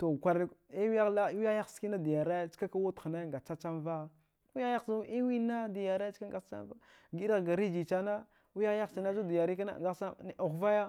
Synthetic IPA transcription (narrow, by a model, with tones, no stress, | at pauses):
to˨kʷa˨ɾi˦wa˦la˦wi˦a˦ja˦˨ski˦na˦di˨ja˨ɾa˦t͡ʃka˦ka˦wu˦tna˦ŋɡa˨t͡ʃa˦t͡ʃa˦nva˦ | wi˦ja˦ja˦si˦wi˦na˦di˨ja˨ɾḁ˦ka˦ŋɡa˨˦t͡ʃa̰˦nva˦ | ɡi˦ɾa˦ɣɡa˨ɾi˦d͡ʒi˨t͡ʃa˦na˦ | wi˦ja˦a˦˨si˨na˦d͡ʒu˦di˨ja˨ɾi˦ka˦na̰˦ɡa˦sa˦˨u˨xva˦ja˦